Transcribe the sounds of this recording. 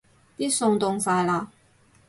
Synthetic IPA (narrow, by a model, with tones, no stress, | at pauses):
t̪i˥sʊ˨˩ŋt̪ʊ˨˩ŋsa˨˩jla˨˧